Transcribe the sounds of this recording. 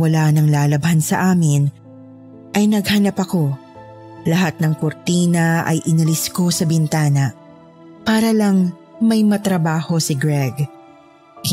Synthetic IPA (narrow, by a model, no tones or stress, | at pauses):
wɐlanɐŋlaːlɐbhɐnsɐʔaːmɪn | ʔɐjnɐɡ̚hɐnapɐko̞ | lɐɦat̪̚nɐŋkʊɾt̪iːnɐʔɐ̰jʔɪnɐlɪsko̞sɐbɪnt̪aːnɐ | paːɾɐlɐŋ | mɐjmɐt̪ɾɐbaːho̞sɪɡɾɛɡ